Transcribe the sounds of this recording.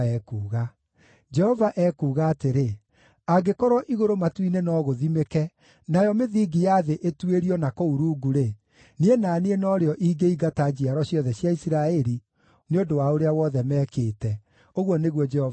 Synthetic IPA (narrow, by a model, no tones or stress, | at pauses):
ɛːkuːɣa | d͡ʒɛhɔvaʔɛkuːɣaːteɾe | aɡekɔɾɔʔiɣoɾomatwinenɔːɣoðimekɛ | najɔmeðiːɡijaðeʔetweɾiɔnakouɾuːɡuɾe | nienaːneenɔɾeɔʔiːɡeiɡatad͡ʑiaɾɔɕjɔðɛɕjaisiɾaɛɾi | neodowaoɾeawɔðɛmɛːkeːtɛ | oɣwɔneɣwɔd͡ʒɛhɔv